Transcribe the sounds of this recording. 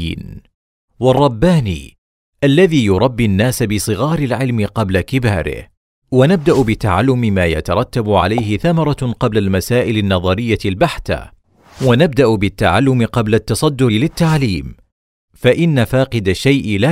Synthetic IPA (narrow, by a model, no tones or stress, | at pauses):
ḭːn | wɑrˤːɑbːaːnḭː | ʔalːaðiːjʊɾˤɑbːinːaːsabɪsˤɨɣɑːɾɪlʕɪlmɪqɑblakɪbaːɾɪ̰h | wanab̚d̪aʔbɪt̪aʕalːʊmɪmaːja̰t̪ɑɾˤɑt̪ːabʕa̰lajɦɪθamɑɾˤɑqɑblalmasaːʔɪlanːɑðˤɑɾɪjːalbaħθa̰ | wanab̚d̪aʔbɪt̪ːaʕalːʊmɪqɑblat̪ːɑsˤɑd̪ːʊɾɪlɪt̪ːaʕliːm | faʔɪnːafaːqɨd̪aʃajʔla